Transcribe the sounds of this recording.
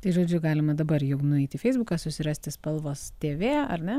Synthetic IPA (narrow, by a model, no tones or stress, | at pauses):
t̪ɐɪʒoːd͡ʒʲʊɡɑːlʲɪmɐd̪ɐbɐɾjʊɡnʊɛɪt̪ʲɪfʲɛɪzbʊkɑsʊsʲɪɾɑːsʲt̪ʲɪspɐlˠʋoːst̪ʲeːʋʲeːɐ̰ɾʲnʲɛ